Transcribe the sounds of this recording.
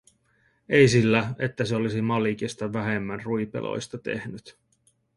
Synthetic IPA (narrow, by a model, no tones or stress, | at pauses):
e̞jsilːæe̞t̪ːæseo̞lisimɑlik̟ist̪ɑʋæɦe̞mːænrujpḛlʔo̰jst̪ɑt̪e̞̰hnyt̪